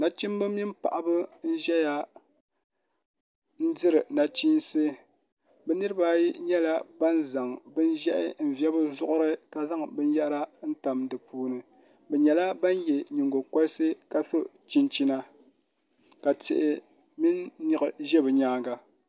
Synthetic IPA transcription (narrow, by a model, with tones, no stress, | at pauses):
na˨t͡ʃi˦m˦bɨ˦mi˦npa̰˨ʔa˨bɨ˦n̩˦ʒɛ˦ja˨ | n̩˦dɨ˦ɾɨ˨na˨t͡ʃi˦nsɨ˦ | bɛ˨nɨ˦ɾɨ˦ba˦ji˦ɲɛ˦la˦ba˦nza˨ŋbɨ˦n˦ʒɛ˦ʔɪ̰˦m̩˨vjɛ˦bɨ˦zʊ˦ʔʊ˦ɾɨ˦ka˨za˦ŋbɨ˦n˦jɛ˦ʔɾa˦n̩˦ta˨mdɨ˨pʰuː˦nɨ˨ | bɛ˨ɲɛ˨la˦ba˦njɛ˨ɲi˨ŋɡo˨kɔ˦sɨ˦ka˨so˦ʔt͡ʃi˦nt͡ʃi˦na˦ | ka˨tɪ̰˨ʔɪ˨ | mi˦nːɨ˨ɣɨ˨ʒɛ˦bɨ˨ɲaː˦ɡa˨